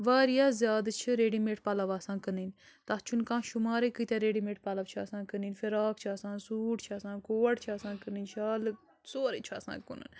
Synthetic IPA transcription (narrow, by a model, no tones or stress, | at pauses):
ʋaːɾijaːzjaːd̪t͡ʃʰiɾeːɖimeːʈpalɐʋaːsãːkənin | t̪at͡ʃʰunkãːʃumaːɾekit̪eɾeːɖimeːʈ̚palɐʋt͡ʃʰasãːkəniːnfiɾaːkt͡ʃʰasãːnsuːʈt͡ʃʰaːsãːkoːɐʈt͡ʃʰaːsãːkəninʃʰaːl | soːɾet͡ʃʰa̰ːsã̰ːkunə̰n